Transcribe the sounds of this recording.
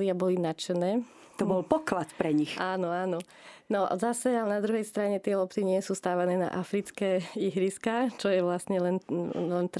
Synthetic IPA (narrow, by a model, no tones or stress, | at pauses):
lɪabɔlinat͡ʃɛnɛː | t̪ɔbɔlpɔklat̪pɾɛɲixʔaːnɔaːnɔ | nɔ̰zasɛalɛnad̪ɾuɦɛjst̪ɾaɲɛt̪ɪɛlɔpt͡s̪iɲɪɛsuːst̪aːʋanɛːna̰ʔafɾit͡skɛːiɦɾiskaːt͡ʃɔjɛʋlasɲɛlɛnlɛnt̪ɾ